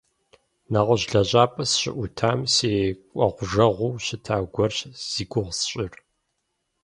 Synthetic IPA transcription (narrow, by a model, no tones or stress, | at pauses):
naʁəʑɮɐʑʼaːpʼɐsɕɪ̰ʔʷʊtʰaːmseːkʷʼɐʁʷʊʒɐʁʷuwɕɪtʰaːɡʷɔrɕz̥iːɡʷʊʁsɕʼɪr